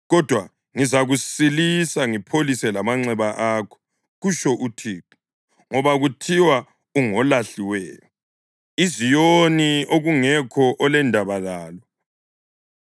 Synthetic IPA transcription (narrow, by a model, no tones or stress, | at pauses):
ɣɔd̥ʱwa | ŋizaɣusilisaŋipʰolisɛlamaŋ͡ǀɛβaʔaːkʰɔ̥ | ɣuʃɔʔutʰiːǃi̥ | ŋɔβaɣutʰiwa | uŋɔlaɬiwɛ̰ːjɔ | izijonioɣuŋɛkʰɔʔɔlɛndʱaβalaːlɔ